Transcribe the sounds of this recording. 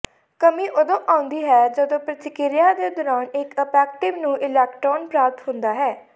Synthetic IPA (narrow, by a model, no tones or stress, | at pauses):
kəmĩːʔod̪õːʔãːʊ̃nd̪iːɦɛːd͡ʒəd̪õːpɾət̪ɪkɪɾɪjãːd̪eːd̪ɔɾaːnɪkəpɛːk̚ʈɪʋnũːʔɪlɛːkʈɾɔːnpɾaːp̚t̪ɦʊnd̪aːɦɛː